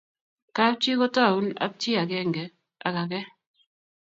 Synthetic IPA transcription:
ka˦p̚t͡ʃi˦kɔ˦ta˦˨u˦na̰˦p̚t͡ʃi˦a˨kɛ˦˨ŋɡɛ˨ | a̰˨ka˨kɛ˦

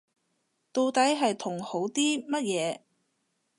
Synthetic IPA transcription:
t̪o˧wt̪ɐ˨˥jɦɐ˨jt̪ʰʊ˨˩ŋho˨˥wt̪iː˥mɐ˥t̚jɛː˨˧

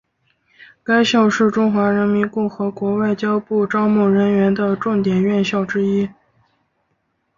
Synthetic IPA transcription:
ka˥ɪɕjɑ˥˧ʊʂɻ̩˥˩ʈ͡ʂʊ˥ŋxwa˧˥ɻə˧˥nmi˧˥nkʊ˥˩ŋxɤ˧˥kwɔ˧˥wa˥˩ɪt͡ɕjɑ˥ʊpu˥˩ʈ͡ʂɑ˥ʊmu˥˩ɻə˧˥nɥɛ˧˥nd̪ə˧ʈ͡ʂʊ˥˩ŋt̪jɛ˨˩nɥɛ˥˧nɕjɑ˥˩ʊʈ͡ʂɻ̩˥i˥

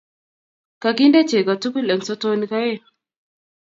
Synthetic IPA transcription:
ka˨ki˦nde˦t͡ʃe˨ka˨tu˦ku˦le˨nsɔ˦to˦ni˦ka˦je˦˨

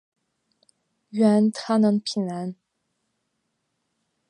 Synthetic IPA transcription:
ɥɛ˧˥nt̪ʰa˥nə˧ŋpʰi˨˩na˧˥n

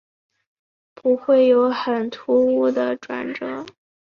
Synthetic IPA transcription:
pu˧˥xwe˥˩ɪjo˧˥ʊxə˨˩nt̪ʰu˧˥u˥d̪ə˨ʈ͡ʂwa̰˨˩nʈ͡ʂɤ˧˥˦

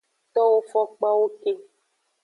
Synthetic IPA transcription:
t̪ɔ˦wo˦fɔ˦k͡pa˦wo˦ke˦

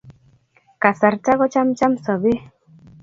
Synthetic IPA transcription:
ka˨sa˨ɾta˦kɔ˦t͡ʃa˦mt͡ʃa˦msɔ˨be˦

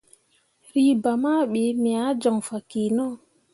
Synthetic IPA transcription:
ɾi˦ba˨maː˦ɓe˨˦mi˨a˨˦d͡ʒɔ˨ŋfa˨kiː˨nɔ˦

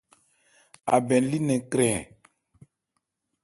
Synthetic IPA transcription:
a̰˨bɛ˨n˦li˦nɛ̃˨kɾɛ˨

